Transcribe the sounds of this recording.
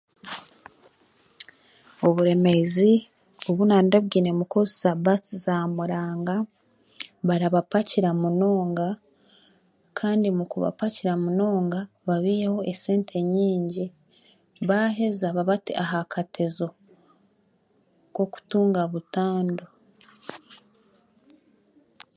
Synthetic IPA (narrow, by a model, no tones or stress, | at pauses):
o̞βuɾe̞me̞zi | oβunaːndoβɡiːne̞mukozisabat͡sizamuɾaːŋɡa | βaɾaβapaciɾamuno̞ːŋɡa | kʰaːndimukuβa̰paciɾamuno̞ːŋɡa | βaβiːjeho̞ʔese̞ːntʰe̞ɲiːɲɟi | βaɦe̞zaβaβatiʔaɦakʰatʰezo̞ | ko̞ku̥tuːŋɡaβutaːndo